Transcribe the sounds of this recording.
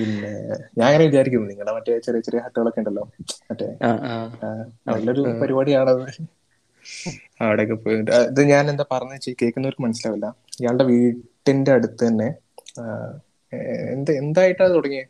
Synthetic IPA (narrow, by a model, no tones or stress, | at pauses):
pinːe̞̰ɲaːnŋːɐneʋit͡ɕaːɾik̬ʲːumːɐniŋːɐɭemɐtːe̞t͡ɕerijɐt͡ɕerijɐɦɐʈːuɣɐɭokːeːɳɖɐlːo̞ːmɐtːe̞̰ | ʋɐlːɐoɾupɐɾibaːɽiaːɳɐðɨ | ɐʋiɽekːepoɐðɨɲaːnend̪apɐrɐɲːɐt͡ɕikeːkːunːoɾmɐnɐsilaːʋilːɐ | ijaːɭɽe̞ʋiːʈːinde̞ɐɽut̪ːɨt̪ɐnːe̞ | ḛnd̪nd̪aːjiʈːat̪uɽɐŋːi